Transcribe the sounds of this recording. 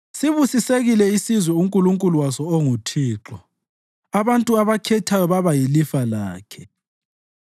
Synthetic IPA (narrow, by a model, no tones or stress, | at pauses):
siβusiseɣilɛisizwɛuŋkʼuluŋkʼuluwasɔoŋutʰiːǁɔ | aβantʼuaβakʰɛtʰajɔβaβajilifalaːkʰɛ̥